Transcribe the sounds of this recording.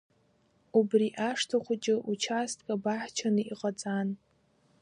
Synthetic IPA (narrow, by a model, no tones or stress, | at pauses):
ubriʔaʂtʰaχʷʊt͡ʃʼɪʔut͡ʃʰastʰʼkʼabaħt͡ʃʰanɨiqʼat͡sʼan